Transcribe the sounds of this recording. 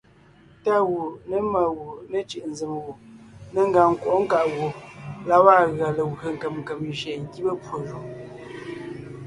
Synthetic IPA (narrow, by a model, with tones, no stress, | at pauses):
ta˦˨ɣu˨nə˦ma˨ɣu˨nə˦t͡ʃi˨ʔn̩˨zɨ˨mwo˨nə˦ŋ̩˦ɡa˨ŋ̩˦˨kwɔ˨˦ŋ̩˦ka˨ʔɣo˨la˦wa˦˨ɣa˨lə˨wɰə˨ŋ̩˨kə˨mŋ˨kə˨m˨ʒɛ˨ŋ̩˦ɡi˦bə˦pwo˨ʒu˨